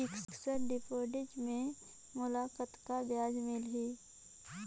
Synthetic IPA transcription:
ɪksksəɾɖɪpoːɖɪd͡ʒmẽ | mʊlaːkət̪kabjaːd͡ʒmɪlɦiː

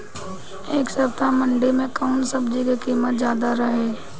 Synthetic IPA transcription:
eːksɐpt̪amɐ̃ɳɖemẽkaʊnsɐbd͡ʒikekiːmət̪zjaːd̪aɾɐɦeː

